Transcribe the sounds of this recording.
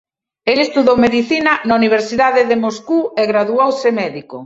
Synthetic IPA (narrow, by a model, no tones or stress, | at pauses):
elest̪uðowmeðiθinɐnauniβ̞eɾsiðaðɪðɪmoskuɛɣɾaðuowsɪmɛðiko̰